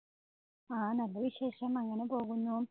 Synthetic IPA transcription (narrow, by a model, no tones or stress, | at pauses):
aːnɐlːɐʋiɕeːʂɐmɐŋːɐne̞po̞ːɣunːu